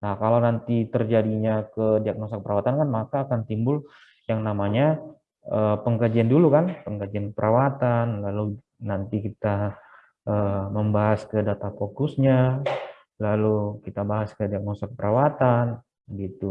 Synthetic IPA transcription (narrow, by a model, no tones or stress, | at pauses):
nahkalawnant̪it̪ərd͡ʒadiɲakədiak̚nosak̚əpəɾawat̪ankanmakaːkant̪imbʊl | jaŋnamaɲa | əpəŋkad͡ʒiandulukanpəŋkad͡ʒiankəpəɾawat̪anlalu | nant̪ikit̪a | ʔəːməmbaɦaskədat̪apokʊsɲa | lalukit̪abaɦaskədiak̚nost̪akəpəɾʔawat̪an | bəɡit̪u